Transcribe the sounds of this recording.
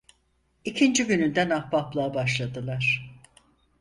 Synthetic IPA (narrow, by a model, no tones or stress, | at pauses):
icʰind͡ʒiɟynynd̪ænabaplˠaːbaʃlˠad̪ɯlˠaɾ̥